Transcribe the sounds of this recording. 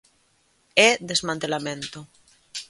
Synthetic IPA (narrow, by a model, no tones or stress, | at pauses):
ɛðezmãnt̪elamẽnt̪o